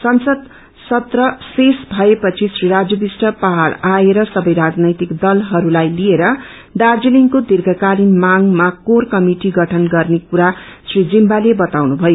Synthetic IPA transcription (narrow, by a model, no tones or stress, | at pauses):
sʌnsʌd̪ | sʌt̪rʌsesbʱʌepʌt͡sʰisriɾad͡zjʌbisʈʌpaɦaɾaeɾʌsʌbʌjɾad͡znʌjt̪ikd̪ʌlɦʌɾulajlieɾʌ | ɖard͡ziliŋkod̪irɡʱʌkalinmaŋmakorkʌmiʈiɡʌʈʰʌnɡʌrnekuɾasrid͡zimbalebʌt̪awnubʱʌjo